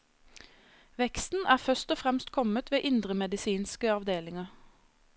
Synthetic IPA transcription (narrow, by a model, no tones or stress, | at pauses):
ʋɛkst̪n̩ʔæːʁfœst̪ɔfʁɛmst̪kʰɔmət̪ʋeːʔɪnd̪ʁəmɛd̪ɪsiːnskəɑʋd̪eːlɪŋəʁ